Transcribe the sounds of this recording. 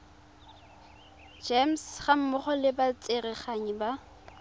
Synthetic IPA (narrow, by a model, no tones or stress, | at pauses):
d͡ʒemsχam̩mʊχɔlɪbat͡sʼerɪχaɲiba